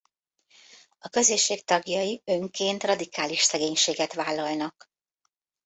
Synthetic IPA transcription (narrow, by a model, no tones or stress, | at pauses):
ɒkø̞zeːʃːeːk̚t̪ɒɡjɒjiø̞ŋkeːnt̪rɒd̪ikaːliʃsɛɡeːɲʃeːɡɛt̪ʋaːlːɒlnɒk